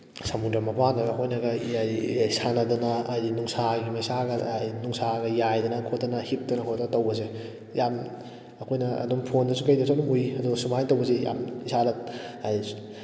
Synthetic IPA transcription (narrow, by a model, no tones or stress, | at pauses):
samundamɐpanɐɡɐkʰojnɐɡɐajsanɐdunɐːjdinuŋsaɡimɐjsaɡɐjnuŋsaɡɐjajdɐnɐkʰotːɐnɐhip̚dɐnɐkʰotːɐtɐwbɐs̬e | jamː | kʰojnɐ̰ːdumpʰondɐsukɐjdɐsʰadumujiɐduɡɐsumajntɐwbɐsija̰misadɐaj